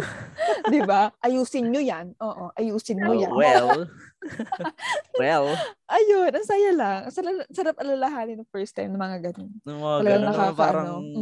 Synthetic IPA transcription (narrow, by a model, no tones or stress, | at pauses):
d̪ɪbaʔɐjuːsɪnɲojanʔoːʔo̞ʔɐjuːsɪnmojɐnwɛl | wɛlʔɐjonʔɐŋsaːjɐlɐŋsɐlalsɐɾap̚ʔɐlalɐɦaːnɪnɐŋfɛɹst̪ajmnɐmɐŋaɡɐnonɐlɐɡaŋnɐkaːkɐʔɐɾɐno